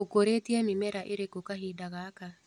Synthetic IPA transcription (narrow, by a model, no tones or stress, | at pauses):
okoɾetiɛmimɛɾaʔeɾekokaɦiːdaɣaka